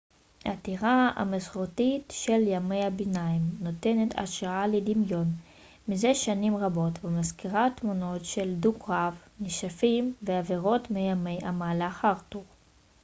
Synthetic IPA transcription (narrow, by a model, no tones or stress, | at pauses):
ha̰tiʁaa̰mesχotitʃeljame̞jabinaimno̞te̞ne̞tʰa̰ʃʁaaledimjo̞n | mizeʃanimʁabo̞tvemazkiʁatmuno̞tʃe̞ldukʁavniʃafimveaveʁo̞tmejame̞jamalaaχaʁtuʁ